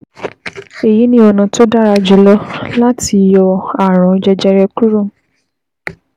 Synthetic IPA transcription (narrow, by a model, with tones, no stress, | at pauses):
e˨ji˨˦nĩ˦ɔ˧nã˧to˦da˦ɾa˧d͡ʒu˨lɔ˦la˦ti˧jɔ˧a˨ɾ̃ɔ̃˨˧d͡ʒɛ˧d͡ʒɛ˧ɾɛ˧ku˦ɾũ˦˨